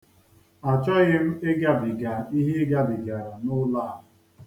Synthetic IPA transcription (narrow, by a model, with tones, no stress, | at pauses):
a˨t͡ʃɔ˦ɣɪ˦m̩˦e˦ɡa˦bɪ˨ɡa˨i˦ɦe˦ɡa˦bɪ˨ɡa˨ɾa˨nʊ˦la˦˨ʊ˨